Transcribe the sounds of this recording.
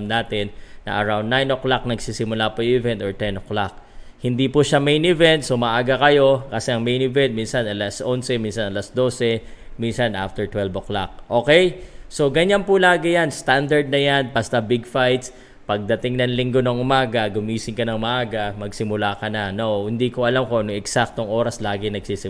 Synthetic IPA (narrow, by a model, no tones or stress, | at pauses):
mnaːt̪ɪnːɐ̰ʔɐ̰ɹawnnajnʔoklak̚nɐɡsisɪmʊlapojʊɪvɛnt̪oɹt̪ɛnʔoklak̚hɪnd̪ipʊʃamejnɪvɛnt̪̚somɐʔaːɡɐkɐjo̞kɐsɛʔɐŋmejnɪvɛnt̪̚minsɐnɐlasʔonsɛminsɐnɐlasd̪o̞ːsɛminsɐnʔa̰ft̪ɛɹt̪wɛlbokla̰k̚ʔo̞ːkɛjso̞ɡɐɲanpʊlaːɡɪjanst̪and̪ɐɹd̪̚nɐjanbɐst̪ɐbɪɡfajt̪s | pɐɡ̚d̪ɐt̪ɪŋnɐŋlɪŋɡo̞noŋʔʊmaːɡɐɡʊmiːsɪŋkɐnɐŋmɐʔaːɡɐmɐɡsɪmʊlaːkɐnɐnohɪnd̪iːkoʔɐlamko̞noŋɛksak̚t̪o̞ŋʔo̞ːɾɐslaːɡɪnɐɡsisɪ